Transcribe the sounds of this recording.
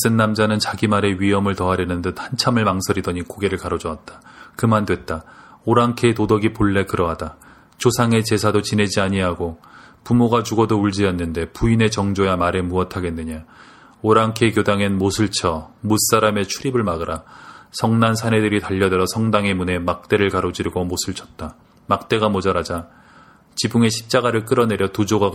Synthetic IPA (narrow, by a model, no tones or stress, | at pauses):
s͈ɯnːamd͡ʑanɯnt͡ɕaɡimaɾe̞ɥiɦʌmɯɭtʌɦaɾjʌnɯndɯthant͡ɕʰamɯɭmaŋsʰʌɾidʌɲikoɡe̞ɾɯɭkaɾod͡ʑʌat̚t͈ḁkɯmandwe̞t̚t͈aoɾaŋkʰetodʌɡipoɭːe̞kɯɾʌɦada | t͡ɕosʰaŋe̞t͡ɕe̞sʰadot͡ɕine̞d͡ʑiaɲiɦaɡopumoɡat͡ɕuɡʌdouɭd͡ʑijʌnːɯnde̞puine̞t͡ɕʌŋd͡ʑojamaɾe̞muʌtʰaɡe̞nːɯɲa | oɾaŋkʰekjodaŋenmosʰɯɭt͡ɕʰʌmus͈aɾame̞t͡ɕʰuɾibɯɭmaɡɯɾʔasʰʌŋnansʰane̞dɯɾitaʎːʌdeɾʌsʰʌŋdaŋe̞mune̞mak̚t͈e̞ɾɯɭkaɾod͡ʑiɾiɡomosʰɯɭt͡ɕʰʌt̚t͈a | mak̚t͈e̞ɡamod͡ʑʌɾad͡ʑa | t͡ɕibuŋe̞ɕʰi̥p̚t͡ɕ͈aɡaɾɯɭk͈ɯɾʌne̞ɾjʌtud͡ʑoɡa